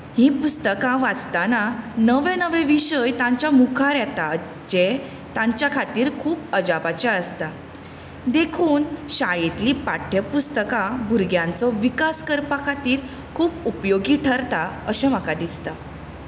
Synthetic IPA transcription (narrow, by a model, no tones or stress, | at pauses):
hĩpust̪əkãʋad͡zt̪ananəʋɛ̃nəʋẽʋiɕəjt̪ãɲt͡ɕamukʰaɾɛt̪a | d͡ʑe | t̪ãɲt͡ɕjakʰat̪iːɾkʰuːpəd͡ʑabat͡ɕaəst̪a | d̪ekʰuːnɕajit̪liːpaʈʰjəpust̪əkãbʱuɾɡjãnt͡sɔʋikaskəɾpakʰat̪iːɾ | kʰuːpupjoɡiʈʰəɾt̪aəɕɛ̃m̤əkad̪ist̪a